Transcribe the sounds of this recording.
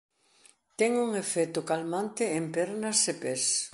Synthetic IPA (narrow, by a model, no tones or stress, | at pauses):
t̪ɛŋuŋefɛt̪ʊkalmant̪ɪempɛɾnɐsepes